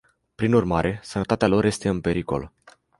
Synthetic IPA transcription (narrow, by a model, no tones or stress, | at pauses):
pɾinurmaɾʔe̞sənət̪at̪ealo̞ɾje̞st̪e̞ɨmpe̞ɾiko̞̰l